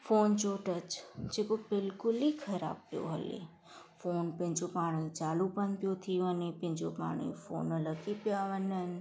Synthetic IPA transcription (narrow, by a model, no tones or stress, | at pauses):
foːnt͡ʃoʈət͡ʃd͡ʒekobɪlkʊlikʰəɾa̰bpjo̰ɦə̰lḛ | foːnpɪ̃ɲt͡ʃopaːɽ̃ĩt͡ʃaːlupənpjot̪ʰiənepɪ̃ɲd͡ʒopa̰ːɽ̃ḭ̃fo̰nələkipjaʋənən